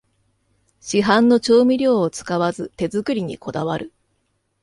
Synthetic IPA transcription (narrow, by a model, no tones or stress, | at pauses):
ɕiɦãnːo̞t͡ɕo̞ːmʲiɾʲo̞ːt͡sɨ̥kaβazɨt̪e̞zɨkɯ̟ɾʲiɲ̟ḭkʰo̞d̪aβaɾɯ̟